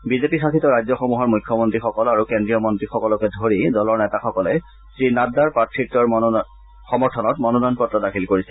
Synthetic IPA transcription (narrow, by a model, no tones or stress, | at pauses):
bizepixakʰitɔɹajzɔxomuɦɔɹmujkʰːjɔmontɹixɔkɔlaɹukendɹijɔmɔntɹixɔkɔlɔkɛdʱoɹidɔlɔɹnɛtaxɔkɔlɛ | sinadaɹpatʰiktɔɹ | xɔmɔɹtʰɔnɔtmɔnɔnɔjnpɔtɹɔdakʰilkoɹisɛ